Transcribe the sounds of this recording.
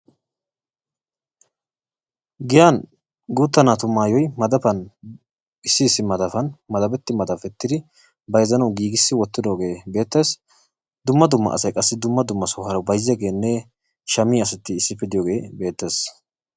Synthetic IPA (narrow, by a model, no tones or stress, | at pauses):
ɡɪjaːn | ɡuːt̪ːɐnat̪ʊmːaːjɔjmɐd̪ɐpɐn | ɪsːɪːsːɪmɐd̪ɐfɐnmɐd̪ɐbɛt̪ːɪmɐd̪ɐfɛt̪ːɪd̪ɪ | bɐjzɐnɐwɡiːɡɪsːɪwɔt̪ːɪd̪o̞ːɡe̞ːbe̞ːt̪ːeːs | d̪ʊmːɐd̪ʊmːɐ̰ɐ̰sɐjkʼɐsːɪd̪ʊmːɐd̪ʊmːɐsɔhɐɾɐwbɐjzɛɡeːnːɛ | ʃɐmiɐsɛt̪ːɪːsːɪpːɪd̪ɪjoːɡe̞ːbe̞ːt̪ːe̞ːs